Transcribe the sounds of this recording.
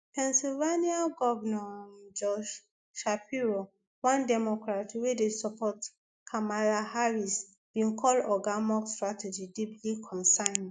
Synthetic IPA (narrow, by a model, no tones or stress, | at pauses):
pʰɛ̃nsilvaniaɡɔvɛnɔd͡ʒɔʃ | ʃapiɹo | wãndɛmɔkɹatwedesɔpɔt | kʰamalahaɹis | b̥ĩnkʰɔlɔɡamɔkstɹatʰɛd͡ʒidiplikʰɔ̃nsãɪ̃n